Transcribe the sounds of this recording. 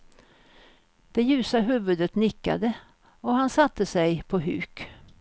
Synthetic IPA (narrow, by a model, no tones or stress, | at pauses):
d̪̥ɛjʉ̟ːsaɦʉ̟ːvɵd̪ət̪nɪkːa̰d̪ə | ɔhansat̪ːəsɛjpʰɔɦʉ̰ːk